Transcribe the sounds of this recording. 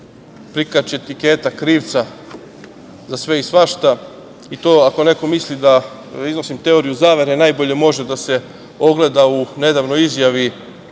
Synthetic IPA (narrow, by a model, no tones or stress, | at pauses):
pɾikat͡ɕet̪ike̞ːt̪akɾiːʋt̪sa | zasʋe̞isʋaʃt̪a | it̪o̞ːako̞ne̞ko̞mislid̪a | izno̞simt̪e̞o̞ɾijuzaːʋe̞ɾe̞naːjbo̞ʎe̞mo̞ʒed̪ase̞ | o̞ɡle̞d̪aune̞d̪aʋnojizjaʋi